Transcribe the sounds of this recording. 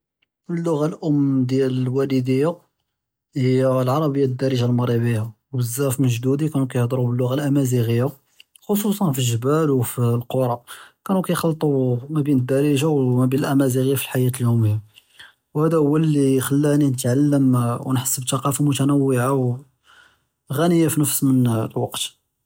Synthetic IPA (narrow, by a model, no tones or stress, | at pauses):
əlːʊɣalʔʊmːd̪jæləlwæləd̪əjːa | həjːælʕɑɾˤɑbəjːad̪ːæɾəʒalmɑɾˤibəjːawəzːæfməʒd̪ud̪ikænukæjəhd̪ˤɾubəlːʊɣalʔæmæziɣəjːa | xos̬ˤusˤɑnfilʒəbælwfilqoɾˤɑkænukæjxɑlːt̪ˤumæbinəd̪ːæɾiʒawmæbinəlʔæmæziɣəjafi̥lħajæt̪əljuməjːa | whæd̪æhʊwːælixəlːæninət̪ʕalːəmwnħə̥sːəbt̪ɑqɑfamʊt̪ænəwːəʕaw | ɣænəjːafinəfsmənlwɑqt̪